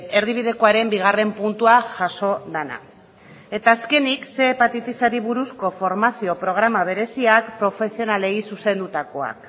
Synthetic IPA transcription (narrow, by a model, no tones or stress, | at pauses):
e̞ɾðiβ̞ið̞eko̞aɾe̞mbiɣ̞are̞mpunt̪uaʝaso̞ðena̰ | e̞t̪aːske̞nikse̞pat̪it̪isaɾiβuɾusko̞fo̞ɾmasio̞pɾo̞ɣ̞ɾamaβ̞e̞ɾe̞siakpɾo̞fe̞sio̞nale̞jsuse̞nd̪ut̪ako̞a̰k